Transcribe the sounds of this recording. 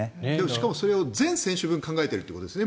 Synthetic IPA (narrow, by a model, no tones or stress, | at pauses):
d̪emoɕi̥kamoso̞ɾe̞o̞zẽ̞ɰ̃sẽ̞ɕɨbɯ̟̃ŋkãŋɡaet̪e̞ɾɯ̟t̪ojikot̪d̪sne